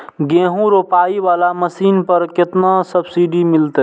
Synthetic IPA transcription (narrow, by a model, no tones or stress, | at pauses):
ɡẽːɦũɾopaːiʋaːlaməsiːnpəɾkɪt̪nasəbsiɖimɪlt̪e